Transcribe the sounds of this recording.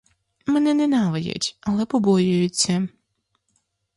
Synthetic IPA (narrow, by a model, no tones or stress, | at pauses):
mɛnɛnɛnaʋɐjʊ̰tʲɐlˠɛpɔbɔjʊjʊt͡sʲːɐ